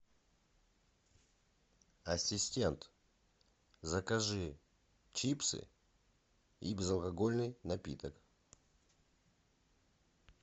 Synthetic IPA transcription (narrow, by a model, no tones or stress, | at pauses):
ɐsʲɪsʲtʲe̞nt̪ | zɐkɐʐɨ | t͡ɕipsɨ̰ | ibʲɪzɐlˠkɐɡo̞lʲnɨjnɐpʲḭt̪ək